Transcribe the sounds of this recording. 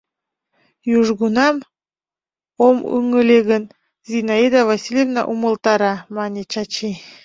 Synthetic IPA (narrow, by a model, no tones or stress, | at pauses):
juʒɣunɑm | omṵŋəlʲeɣən | zʲinɑid̪avasʲilʲevnɑ̰ʔumə̆lˠt̪ɑɾɑmɑnʲet͡ɕɑt͡ɕi